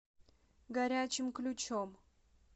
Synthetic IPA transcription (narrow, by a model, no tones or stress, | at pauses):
ɡɐɾʲat͡ɕɪmklʲut͡ɕom